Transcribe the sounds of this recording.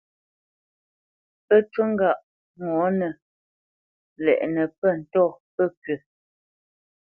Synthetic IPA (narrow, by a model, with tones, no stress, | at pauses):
pə˦twə˦ŋ̩˦ɡa˦˨ʔ | ŋɔ˨˦nə˨ | lɛ̰˨ʔnə˨pə˦˨n̩˨tɔ˦˨pə˦˨pɥə˨